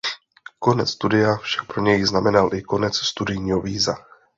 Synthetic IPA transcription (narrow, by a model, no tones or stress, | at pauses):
ko̞nɛt͡sst̪udɪjafʃḁk̚pɾo̞ɲɛjznamɛnalʔɪko̞nɛt͡sst̪udɪjɲiːɦoviːza